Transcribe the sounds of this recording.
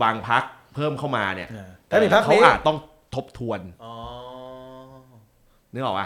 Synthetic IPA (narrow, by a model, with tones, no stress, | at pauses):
waː˧ŋpʰa˦˥k̚pʰɤː˥˩mkʰa˥˩wmaː˧ni˦˥˩ɐt̪ɛː˨˩iː˧pʰa˦˥kʰa˦˥wʔʔaː˧˨˩t̪̚ːɔ˥˩ŋ | t̪ʰo˦˥p̚t̪ʰu˧ənɔ˨ | nɯ˦˥ɔː˨˩kʔa̰˧˩